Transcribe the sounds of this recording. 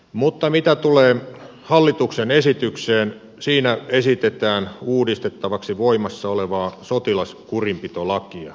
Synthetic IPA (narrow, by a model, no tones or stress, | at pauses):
mut̪ːɑmit̪æt̪uleː | hɑlːit̪uksenesit̪ykseːn | siːnæesit̪et̪æːnuːdist̪et̪ːɑʋɑksiʋoimɑsːɑoleʋɑːsot̪ilɑskurimpit̪olɑkiɑ̰